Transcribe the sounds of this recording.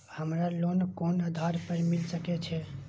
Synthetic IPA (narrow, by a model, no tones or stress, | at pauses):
həmɾalonkonəd̪ʱaɾpəɾmilsəkɛt͡ʃʰɛ